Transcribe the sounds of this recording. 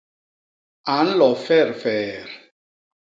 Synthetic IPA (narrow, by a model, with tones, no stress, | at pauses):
a˨˦n̩˦lɔ˨fɛ˦˨ɾfɛː˨ɾ